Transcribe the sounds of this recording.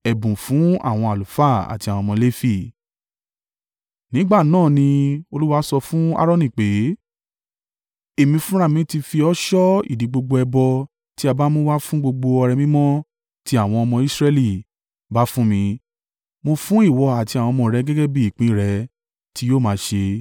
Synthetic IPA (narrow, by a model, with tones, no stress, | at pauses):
ɛ˨bũ˨fũ˨˦a̰˦˨w̃ɔ̃˧a˨lu˨fa˦˨a̰˨ti˧a˨w̃ɔ̃˧mɔ̃˧le˦fi˦˨ | nĩ˨˦ɡ͡ba˦˨nãː˦˨nĩ˧o˧lu˦wa˧˦sɔ˧fũ˦a̰˦ɾɔ̃˦˨nĩ˦˨k͡pe˨˦ | e˦˨mĩ˧fũ˦ɾ̃a˦˨mĩ˧˦ti˧fi˧ɔ˦ʃɔ˦ḭ˦˨dĩ˨˦ɡ͡bo˧ɡ͡bo˧ɛ˧bɔ˧ | ti˦a˧ba˦mo˦wa˦fũ˦ɡ͡bo˧ɡ͡bo˧ɔ˧ɾɛ˧mĩ˦mɔ̃˦ | ti˦a˦˨w̃ɔ̃˧ɔ˧mɔ̃˧i˦sɾɛ˦li˨ | ba˦fũ˦mĩ˧ | mo˧fũ˦i˦˨wɔ˧a˨ti˧a˨wɔ̃˧mɔ̃˧ɾɛ˨˦ɡɛ˦ɡɛ˦bi˦i˦˨k͡pĩ˨˦˨ɾɛ˨˧ | ti˦joː˦˨mãː˨˦ʃe˧